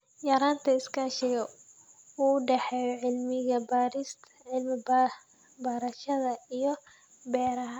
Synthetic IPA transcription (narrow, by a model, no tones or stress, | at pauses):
jɐɾaːnt̪ʰɐɪskʰaːʃɛjɔ | uːɖɛħɛːjɔʕɪlmɪɣɐbaːɾɪst̪ʰʕɪlmɪb | bɐːɾɐʃɐðɐijɔ | bɛːɾɐɦɐ